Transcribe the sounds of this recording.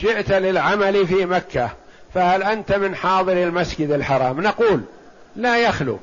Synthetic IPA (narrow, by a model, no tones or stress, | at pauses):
ʃɪʔt̪lɪlʕamalifimakːa | fahalʔant̪amɪnħɑːðˤɨɾɪlmasd͡ʒɪd̪ɪlħɑɾˤɑːmnɑquːl | lajaxlṵ